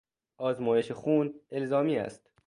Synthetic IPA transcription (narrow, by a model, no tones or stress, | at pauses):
ʔɒːzmɒːjeʃexuːne̞lzɒːmiːæ̰st̪